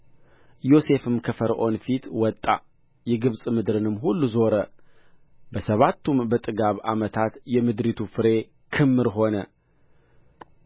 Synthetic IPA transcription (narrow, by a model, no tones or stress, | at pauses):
jo̞se̞fɨmkʰəfəɾʔo̞nfit̪wɔt̪ʼːa̰ | jɛɡɨβsʼmɨd̪ɾɨnɨmːɦulːuzo̞ɾə | bəsəβat̪ʰːumbət̪ʼɨɡaβa̰mət̪ʰat̪jɛmɨd̪ɾit̪ʰufɨɾe̞ | kʰɨmːɨɾɦo̞nə